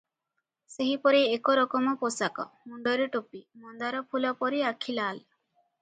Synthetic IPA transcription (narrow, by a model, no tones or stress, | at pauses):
seɦipɔɾiekɔɾɔkɔmɔposakɔ̰muɳɖɔɾeʈopimɔnd̪aɾɔpʰulɔpɔɾiakʰilal